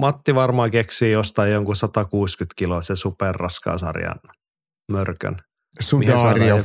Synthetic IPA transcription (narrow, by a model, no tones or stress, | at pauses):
mɑt̪ːiʋɑrmɑːkeksiːjost̪ɑijjoŋkusɑt̪ɑkuːskyt̪kilosesuperːɑskɑ̰ːsɑ̰rjɑ̰n | mørkø̰n | suihsɑrj